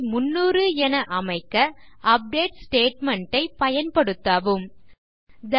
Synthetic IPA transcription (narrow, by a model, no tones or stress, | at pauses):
mʊnːuːɾɯɛnɐʔɐmɐɪkːɐʔɐp̚ɖeːʈsʈeːʈmɐɳʈɐɪpɐjɐnpɐɽɯt̪ːaːʋɯm | d̪ɐ